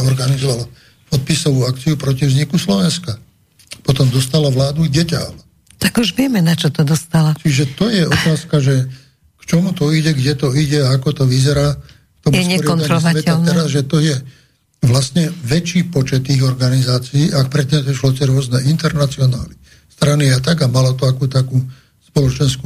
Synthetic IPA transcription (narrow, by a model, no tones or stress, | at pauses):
ɔɾɡanizɔʋala | pɔt̪̚pisɔʋuːakt͡siupɾɔcivzɲikuslɔʋɛnska | pɔt̪ɔmd̪ɔst̪alaʋlaːd̪uɟɛca̰l | t̪aɡuʒʋɪɛmɛnat͡ʃɔt̪ɔd̪ɔst̪alat͡ʃiʒɛt̪ɔjɛʔɔt̪aːskaʒɛ | kt͡ʃɔmut̪ɔiɟɛɡɟɛt̪ɔiɟɛaakɔt̪ɔʋizɛɾaː | kt̪ɔmuɛsɲɛɔɾɪaɔaɲɾsaʋɛt̪at̪ɛɾazʒɛt̪ɔjɛ | ʋlastɲɛʋɛt͡ʃiːpɔt͡ʃɛt̪ːiːɣɔɾɡanizaːt͡siiːʔak̚pɾɛt̪ɲɛziʃlɔtɛɾʊɔznɛint̪ɛɾnat͡siɔna̰ːli | st̪ɾaniat̪aɡamalɔt̪ɔakuːt̪akuː | spɔlɔt͡ʃɛnsku